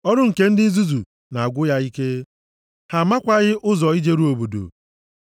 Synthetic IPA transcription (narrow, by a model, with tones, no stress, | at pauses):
ɔ˦ɾʊ˦ŋ̩˨ke˦n̩˦dɪ˦i˦zu˦zu˨ | na˨a˨ɡʷʊ˦ja˦i˦ke˦ | ha˨ma˦kʷa˦ɣɪ˦ʔʊ˦zɔ˨i˦d͡ʒe˦ɾu˦o˨bo˨do̰˨